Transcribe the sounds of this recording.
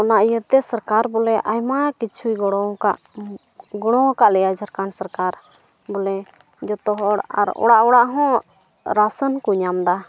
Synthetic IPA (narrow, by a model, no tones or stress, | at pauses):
ɔnaʔjət̪ɛsəɾkaɾbɔlɛʔajmakit͡ʃʰujɡɔɽ̃ɔ̃kaʔ | ɡɔɽ̃ɔ̃kaʔlɛjad͡ʒəɾkansəɾkaɾ | bɔlɛ | d͡ʒɔt̪ɔɦɔɽa̰ɾɔ̰ɽaʔɔɽaʔɦɔ̃ | ɾasənkuɲamd̪a